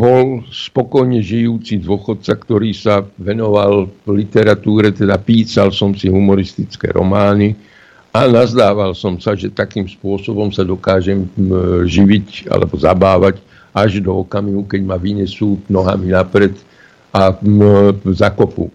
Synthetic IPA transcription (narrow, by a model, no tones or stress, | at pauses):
bɔlspɔkɔjɲɛʒijuːt͡sid̪ʋʊɔxɔt̪̚t͡sakt̪ɔɾiːsaʋɛnɔʋallit̪ɛɾat̪uːɾɛt̪ɛd̪apiːsalsɔmsiɦumɔɾist̪it͡skɛ̰ːɾɔ̰maːni | anazd̪aːʋalsɔmsaʒɛt̪akiːmspʊɔsɔbɔmsad̪ɔkaːʒɛmʒiʋica̰lɛ̰bɔzabaːʋaɟ | ʔaʒd̪ɔːkamiɦukɛɟmaʋiɲɛsuːnɔɦaminapɾɛt̪ | ʔa | zakɔpṵ